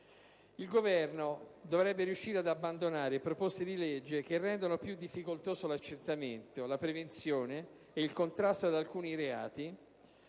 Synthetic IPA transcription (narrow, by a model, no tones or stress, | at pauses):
ilɡovɛrnod̪ovɾɛbːeɾijuʃːiːɾead̪abːand̪onaːɾepɾopost̪ed̪iled͡ʒːek̟erːɛnd̪onopjud̪ːifːikolt̪oːzolat͡ʃːert̪ament̪olapɾevent̪sjoːneː | ilkont̪ɾast̪oad̪alkuːniɾea̰ːt̪i